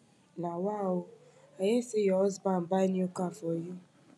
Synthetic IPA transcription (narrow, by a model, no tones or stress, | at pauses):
nawaʊ | ajesɪjɔzbam̩banjokafɔji